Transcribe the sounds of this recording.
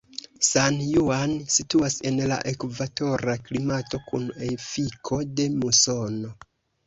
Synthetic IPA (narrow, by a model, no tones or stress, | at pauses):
sanjuansituase̞nla̰ʔekvato̞ɾaklimato̞kunefikʰo̞de̞muso̞no̞